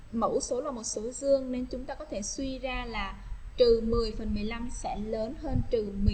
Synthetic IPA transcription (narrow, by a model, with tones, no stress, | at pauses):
mə̰˧˥wso˨˦laː˨˩mo˨˩t̚so˨˦zɨ˧əŋne˧nt͡ɕʊ˨˦ŋ͡mt̪aː˧kɔ˨˦t̪ʰe˧˩swi˧zaː˧laː˨˩t̪ɨ˨˩mɨ˨˩əjfə˨˩nmɨ˨˩əjla˧msɛ̰˧˥ləː˨˦nhəː˧nt̪ɨ˨˩mɨ˨˩